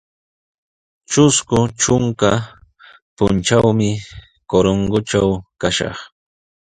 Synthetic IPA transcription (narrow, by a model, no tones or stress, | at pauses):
t͡ʃʊskʊt͡ʃʊŋka | pʊnt͡ʃawmɪ | koɾoɴɢʊt͡ʃawkaʃɑ̰χ